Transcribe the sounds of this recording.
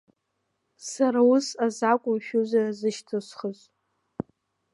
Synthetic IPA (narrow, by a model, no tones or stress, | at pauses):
saɾaʊsazakʷʼʊmʃᶣuzarzɨʃtʰɨsχəz